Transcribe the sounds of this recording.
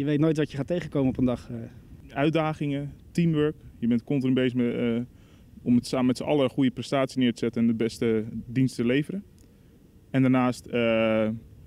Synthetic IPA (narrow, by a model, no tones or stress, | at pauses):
jəʋejtnojtʋɑtjəχaːtejχəkowməɔpəndɑχʔœɥdaːχɪŋətimʋøɹkjəbɛntkɔntənbejzə | ʔɔmətsaːməmɛtsəʔɑ̰ləχujəprɛstaːtsinɪːɹtəz̥ɛtənɛnəbɛstədinstəlejvəɾən | ɛndaɹnaːstə